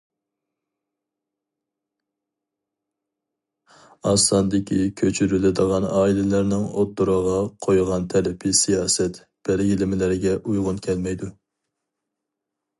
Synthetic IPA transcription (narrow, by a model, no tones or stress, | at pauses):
ɑsɑnd̪ɪkʲʰikʲʰøt͡ʃʰyɾylɪd̪əʁɑnɑːilɪlæɾnɪŋot̪ːuɾəʁɑqʰojʁɑnt̪ʰɛlɪpʰɪsijɑːsɛt̪ | b̥æɾɡʲilɪmɪlɪɾɪɡʲɛʔujʁʊnkʲʰɛlmɛjd̪u